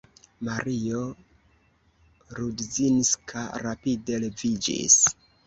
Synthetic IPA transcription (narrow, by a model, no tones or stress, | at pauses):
maɾio | ɾudziniskʰaɾapide̞le̞vid͡ʒḭs